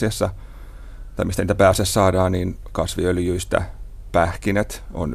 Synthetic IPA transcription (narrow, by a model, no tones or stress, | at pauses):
esːɑ | t̪ɑimist̪æniːt̪æpæːsessɑːdɑːnniːn | kɑsʋiøljyist̪æ̰ | pæhkinet̪o̰n